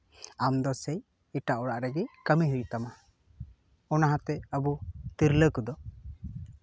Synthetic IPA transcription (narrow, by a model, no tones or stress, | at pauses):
amd̪ɔsɛj | iʈaʔɔɽaʔɾɛɡɛkəmiɦujuʔt̪ama | ɔnaɦãt̪ɛəbut̪iɾləkud̪ɔ